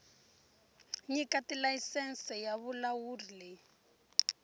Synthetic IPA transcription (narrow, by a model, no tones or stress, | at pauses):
ɲikatilaisɛnsɛjaβulawuːrile